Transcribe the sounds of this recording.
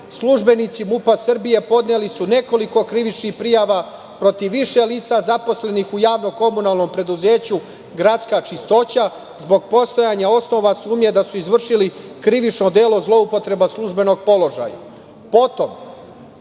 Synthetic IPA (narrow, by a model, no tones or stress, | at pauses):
slˠuʒbe̞nit̪simupasr̩bije̞po̞d̪nelisune̞ko̞liko̞kɾiʋit͡ʃnixpɾijaʋa | pɾo̞t̪iʋːiʃe̞liːt̪sazapo̞sle̞nixujaːʋno̞ko̞munaːlˠno̞mpɾe̞d̪uze̞ːt͡ɕu | ɡɾat̪skat͡ʃist̪o̞t͡ɕa | zbo̞ɡ̚po̞st̪o̞jaːɲao̞sno̞ʋasuːmɲe̞d̪asuizʋr̩ʃilikɾiʋit͡ʃno̞d̪e̞ːlo̞zlˠo̞upo̞t̪ɾe̞baslˠuʒbe̞no̞ɡ̚po̞lo̞ʒa̰ːja̰ | po̞t̪o̞m